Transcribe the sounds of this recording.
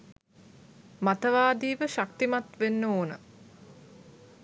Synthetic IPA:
mat̪əʋaːd̪iːʋəʃak̚t̪imat̪ʋenːəoːnə̰

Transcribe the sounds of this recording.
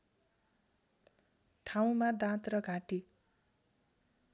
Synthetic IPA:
ʈʰaw̃mad̪ãt̪rʌɡʱaʈi

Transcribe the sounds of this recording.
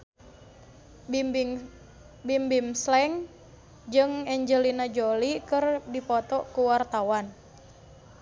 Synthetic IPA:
bimbimslɛŋ | d͡ʒɨŋɛɲd͡ʒəlinad͡ʒolikɨrdipɔt̪ɔʔkuwart̪awan

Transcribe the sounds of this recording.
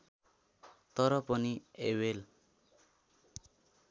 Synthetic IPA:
t̪ʌɾʌpʌniewel

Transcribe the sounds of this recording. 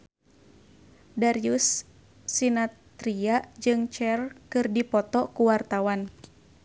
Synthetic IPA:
daɾiusː | inat̪ɾiaʔd͡ʒɨŋt͡ʃɛrkɨrdipɔt̪ɔkuwart̪awan

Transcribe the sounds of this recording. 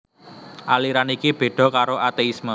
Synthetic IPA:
ʔaliɾanikib̥e̤ɖ̥ɔ̤kaɾoat̪eismɔ

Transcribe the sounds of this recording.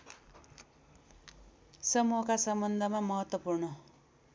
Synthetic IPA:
sʌmuɦʌkasʌmbʌnd̪ʱʌmamʌɦʌt̪wʌpurnʌ

